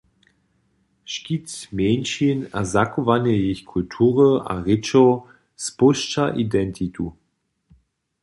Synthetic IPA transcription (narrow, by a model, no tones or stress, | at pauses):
ʃkitmɛːnʃina̰zakovanəjeçkʰultʰuːʁəʔa̰ʁɪt͡ʃɔ | spʊʃt͡ʃaʔidɛntʰitu